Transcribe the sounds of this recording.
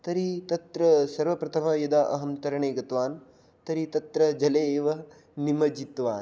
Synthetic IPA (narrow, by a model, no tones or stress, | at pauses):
t̪ɐɾit̪ɐt̪ɾɐsɐɾʋɐpɾɐt̪ʰɐmɐjɐd̪aʔɐ̰ɦɐmt̪ɐɾɐɳeːɡɐt̪ʋaːn | t̪ɐɾit̪ɐt̪ɾɐd͡ʒɐleʋɐ | nimɐd͡ʒit̪ʋaːn